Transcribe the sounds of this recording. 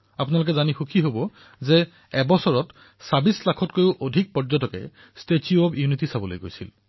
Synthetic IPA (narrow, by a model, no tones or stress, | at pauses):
apunalok̬ɛzanixukʰiɦobɔ | zɛ | ɛbɔsɔɹɔt | sabislakʰɔtkojʊʔodʱik̚pɔɹzɔtɔkɛ̰ | stetiɔbjunitisabɔlo̰jɡo̰jsḭl